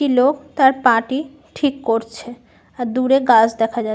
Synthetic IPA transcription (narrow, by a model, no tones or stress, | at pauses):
ilokt̪aɾpãʈi | ʈʰikːoɾt͡ɕʰe | aɾd̪uɾeɡad͡ʑʰd̪ɛkʰad͡ʑa